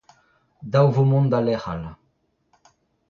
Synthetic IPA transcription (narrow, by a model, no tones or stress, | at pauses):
d̪awvumũnd̪alɛχa̰la